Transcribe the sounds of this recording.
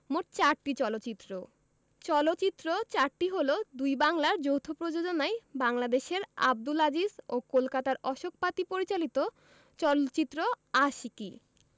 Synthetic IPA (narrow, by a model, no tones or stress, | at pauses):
moʈ̚t͡ɕaɾʈit͡ɕɔlotːt͡ɕit̪ːɾo | t͡ɕɔlotːt͡ɕit̪ːɾot͡ɕaɾʈiɦolod̪ujbaŋlaɾd͡ʑowt̪ʰopɾod͡ʑod͡ʑonaebaŋlad̪eʃeɾa̰b̚d̪ulad͡ʑizokolkat̪aɾɔʃok̚pat̪ipoɾit͡ɕalit̪o | t͡ɕɔlot͡ɕit̪ːɾo | aʃiki